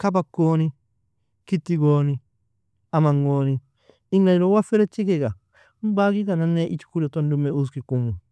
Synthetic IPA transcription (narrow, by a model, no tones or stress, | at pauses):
kabakːoːni | kit̪ːiɡoːni | amɐŋːoːni | ɪŋɡaɾowafeɾɛt͡ʃːikeɡa | mbaːɡikananːeʔit͡ʃu̥kuɾot̪ːondumːeus̬kikːumu